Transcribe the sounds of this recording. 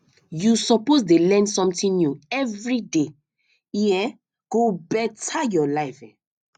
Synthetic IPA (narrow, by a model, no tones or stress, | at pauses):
jusɔposdelɛ̃ndsɔ̃mtĩnnjuɛvɹide | iɛ | ɡ̥obɛtʰajɔlaɪfɛ̰̃